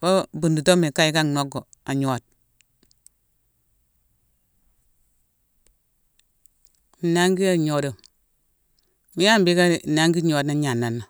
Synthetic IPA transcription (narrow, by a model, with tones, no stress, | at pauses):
ba˦bu˨ndu˨to˦me˨ka˦i˨ka˦ŋno˦ɡo˨ | a˨ɲo˦a˨t̚ | na˦ŋɡi˦a˦˨ɲo˨do˨ | mi˦ja˦mbi˦ka˦˨na˦ŋɡi˦ɲo˨˦a˨dna˦ɲa˨nːa˨nːa˨